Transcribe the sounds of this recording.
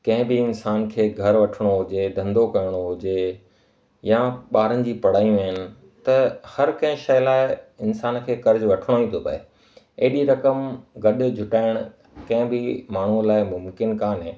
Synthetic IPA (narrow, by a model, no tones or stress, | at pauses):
kɐ̃ɦɪ̃bɪɪnsaːnkʰeːɡʱɐɾʋɐʈʰɪɽ̃oɦʊd͡ʑed̪ʱɐ̃nd̪okɐjəɽ̃oɦʊd͡ʑe | jãɓaːɾənɪ̆d͡ʑiːpɐɽ̤aːijũʋəɦɪnɪ̆ | t̪ɐhɐɾkɐ̃ɦɪ̃ʃɐːlaːɪɪnsaːnkʰeːkɐɾd͡ʑʋɐʈʰəɽ̃oĩt̪ʰopɐ̰ḛ | ɐɦɪɗiɾɐkəmɡɐɗ̆d͡ʑʱʊʈaːɪɽ̃ | kɐ̃ɦɪ̃bɪmaːɳ̤ulaːɪmʊmkɪnkaːnɦẽː